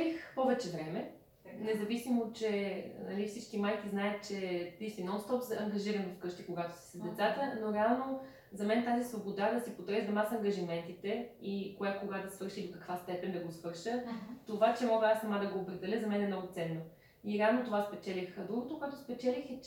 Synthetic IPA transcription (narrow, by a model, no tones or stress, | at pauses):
lixpɔvɛt͡ʃɛvɾɛmɛ | nɛzɐvisimot͡ʃɛnɐ̰lifsit͡ʃkimajk̟iznajət̪̚t͡ʃɛt̪isinɔnst̪ɔpzɐɐŋɡɐʒiɾənɛfkɤʃt̪ikoɡat̪o̥si̥səzd̪ɛt̪sat̪ənoɾɛalˠno | zɐmɛnt̪azisvobod̪ad̪ɐsipot̪ɾɛzd̪ɐmasɐŋɡɐʒimɛnt̪it̪ɛikoɡakoɡad̪ɐsvɤɾʃid̪okɐkvast̪ɛpɛnd̪ɐɡosvɤɾʃət̪ovat͡ʃɛmɔɡəasːɐmad̪ɐɡoːpɾɛd̪ɛlʲəzɐmɛnɛmnɔɡʊt̪sɛnːo | iɾɛavnot̪ovaspɛt͡ʃɛlixd̪ɾuɡot̪okoɛt̪ʊspɛt͡ʃɛlixɛ